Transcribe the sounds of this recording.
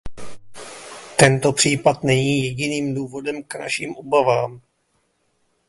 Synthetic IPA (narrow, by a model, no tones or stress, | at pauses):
t̪ɛnt̪o̞pr̝̥iːpat̪nɛɲiːjɛɟɪniːmduːvo̞dɛmkna̰ʃiːmʔobavaːm